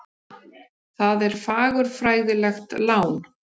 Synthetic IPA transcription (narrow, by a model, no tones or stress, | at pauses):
θaðɛɾ̥faːɣʏɾ̥fɾaːjðɪlɛxt̪laːwn